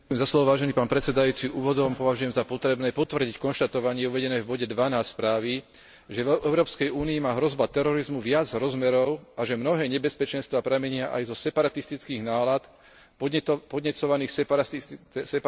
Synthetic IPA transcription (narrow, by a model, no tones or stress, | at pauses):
kʊjɛmzaslɔʋɔʋaːʒɛniːpaːnpɾɛt͡sɛd̪ajuːt͡siʔuːʋɔd̪ɔmpɔʋaʒujɛmzapɔt̪ɾɛbnɛːpɔt̪ʋr̩ɟickɔnʃt̪at̪ɔʋaɲɪɛuʋɛɟɛnɛːvbɔɟɛd̪ʋanaːsspɾaːʋi | ʒɛvɛɛʊɾɔːpskɛjuːniimaːɦɾɔzbat̪ɛɾɔɾizmuʋɪad͡zɦɾɔzmɛɾɔʊaʒɛmnɔɦɛːɲɛbɛspɛt͡ʃɛnst̪ʋaːpɾɛmɛɲɪaʔa̰jzɔsɛpaɾat̪ist̪it͡skiːɣnaːlat̪ | pɔd̪ɲɛt͡sɔʋaniːxs | sɛ